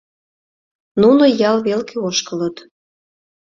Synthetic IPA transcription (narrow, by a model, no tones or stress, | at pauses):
nunojɑlβelkʰeoʃkələt̪